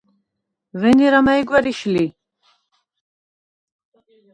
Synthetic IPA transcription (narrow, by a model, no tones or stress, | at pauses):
vɛniɾamaiɡʷwɛɾiʃli